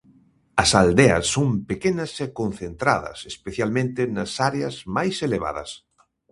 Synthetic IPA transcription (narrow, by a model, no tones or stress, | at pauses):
ɐsald̪eɐ̰sːompekenɐsɛkõn̟θent̪ɾa̰ðɐ̰sespeθjalmẽnt̪ɪnɐsaɾeɐzmajseleβa̰ðɐ̰s